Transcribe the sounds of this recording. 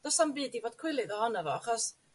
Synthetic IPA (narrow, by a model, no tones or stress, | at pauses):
d̥ɔsanbiːdivoːd̥̚kʰwɪlˠɨðɔhɔnavɔaχɔs